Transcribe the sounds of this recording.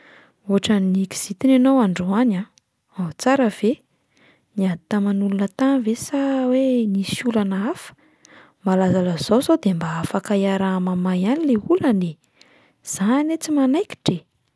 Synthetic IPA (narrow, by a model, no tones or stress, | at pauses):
uɦaʈ͡ʂəniki̥z̥it̪inanowaɳɖ͡ʐuana | aɦt͡saɾəv̥e | niat̪amanulunət̪anvesawenisulanaafə̥ | malazaləzowzod̪embaafakajaɾamamajanileuləne | z̥anet͡simanajki̥ʈ͡ʂe